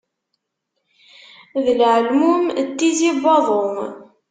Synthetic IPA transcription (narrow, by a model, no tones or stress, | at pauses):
ðəlʕəlmumt̪ːizibɑðˤom